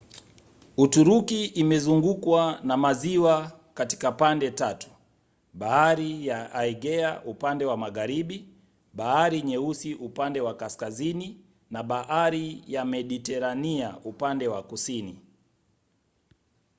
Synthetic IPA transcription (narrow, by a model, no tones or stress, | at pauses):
utuɾukiʔːmɛzuŋɡukwanamaziwa | kati̥kapandɛtatu̥ | ɓahaɾijaaiɡɛa̰ʔupandɛwamaɣaɾiɓi | ɓahaɾiɲɛusiʔupandɛwakaskazini | naɓahaɾijamɛɗitɛɾaniaupandɛwakusini